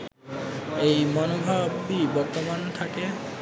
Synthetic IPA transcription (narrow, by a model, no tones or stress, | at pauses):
ejmɔnobʱabibɔɾt̪omant̪ʰake